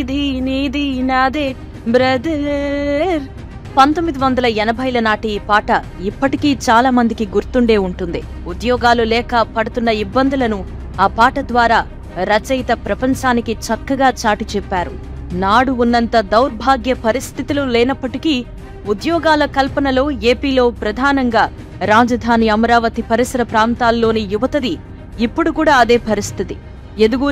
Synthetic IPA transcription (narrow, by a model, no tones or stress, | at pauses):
d̪iniːd̪inaːd̪e | bɾɐd̪ɐ | ɾ | pɐnt̪omːid̪iʋɐnd̪ɐlɐɛnɐbʱɐjlɐnaːʈiiːpaːʈɐ | ipːɐʈikiːt͡ʃaːlaːmɐnd̪ikiɡuɾt̪uɳɖe̞ːuɳʈund̪i | ud̪jɔːɡaːlulɛːkɐpɐɽut̪unːɐibːɐnd̪ulɐnu | aːpaːʈɐd̪ʋaːɾaː | ɾɐt͡ʃɐjt̪ɐpɾɐpɐɲt͡ʃaːnikit͡ʃɐkːɐɡaːt͡ʃaːʈit͡ʃɛpːaːɾu | naːɽuunːɐnt̪ɐd̪ɐwɾbʱaːɡjɐpɐɾist̪ʰit̪ilulɛːnɐpːɐʈiki | ud̪jɔːɡaːlɐkɐlpɐnɐlo̞ːe̞ːpiːlo̞ːpɾɐd̪ʱaːnɐŋɡaː | ɾaːd͡ʒɐd̪ʱaːniɐmɐɾaːʋɐt̪ipɐɾisɐɾɐpɾaːnt̪aːlːo̞ːnijuʋɐt̪ɐd̪iː | pːuɽukuːɽaːɐd̪e̞ːpɐɾist̪ʰit̪i | ed̪uɡu